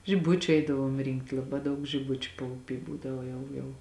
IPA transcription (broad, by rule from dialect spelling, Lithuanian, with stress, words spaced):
ʒʲɪˈbʊt͡ʃʲʊ ˈɛɪdɐʋuɔm ˈrʲɪŋkt lˠɐˈbɑː ˈdɐʊk ʒʲɪˈbʊt͡ʃʲʊ pɐʊˈpʲiː ˈbuːdɐʋɐ ˈjɛʊ jɛʊ